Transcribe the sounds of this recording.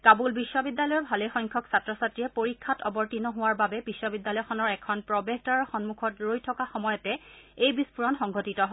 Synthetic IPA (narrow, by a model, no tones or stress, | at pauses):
kabulbisːɔbidːalɔjɔɹbʱalɛjxɔjŋkʰɔksatɹɔsatɹijɛpoɹikʰːatɔbɔɹtinɔɦʊwaɹbabɛbisːɔbidːjalɔjxʰɔnɔɹɛkʰɔnpɹɔbeɦtaɹɔxɔnmukʰɔtɹojtʰɔkaxɔmɔjɔtɛejbispuɹɔnxɔŋɡʱɔtitɔɦ